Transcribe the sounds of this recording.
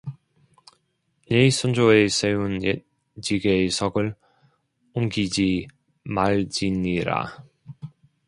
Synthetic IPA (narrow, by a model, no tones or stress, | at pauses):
neisʰʌnd͡ʑoe̞sʰe̞une | t͡ɕiɡesʰʌɡɯɭ | omɡid͡ʑi | maɭd͡ʑiɲiɾa̰